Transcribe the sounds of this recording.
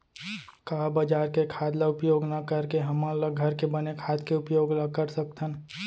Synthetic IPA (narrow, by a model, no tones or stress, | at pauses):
kaːbəd͡ʒaːɾkekʰaːd̪laʊpjoːɡnəkəɾkeɦəmãləɡʱəɾkebənekʰaːt̪keʊpjoːɡləkəɾsək̚t̪ən